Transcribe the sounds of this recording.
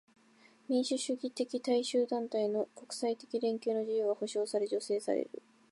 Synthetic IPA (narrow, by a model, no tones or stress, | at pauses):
mʲĩɰ̃ɕɨɕɨɡʲit̪ːe̞kʲit̪aiɕɨːd̪ãnt̪aino̞ko̞kɯ̟̥sait̪e̞̥kʲiɾẽ̞ŋkʲɨːno̞ʑijoːɡaho̞ɕo̞ːsaɾe̞d͡ʑo̞se̞ːsa̰ɾḛɾɯ̟̰